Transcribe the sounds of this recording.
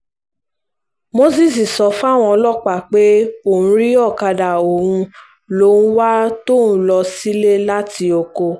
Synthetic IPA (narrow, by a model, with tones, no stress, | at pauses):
mo˦s̬i˦˨s̬i˨sɔ˧˦fa˦˨w̃ɔ̃˧lɔ˦˨k͡pa˨k͡pe˦o˦˨ũ˧ɾi˦ɔ˦˨ka˧da˨o˨ɾũ˧ | lõ˨˦wa˦to˦˨nũ˦lɔ˧si˦le˦la˦ti˧o˨ko˧